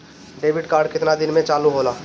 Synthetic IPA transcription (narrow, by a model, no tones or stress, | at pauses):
ɖeːʋɪɖkaːɾɖkɪt̪nad̪ɪnmẽt͡ʃaːluɦoːlaː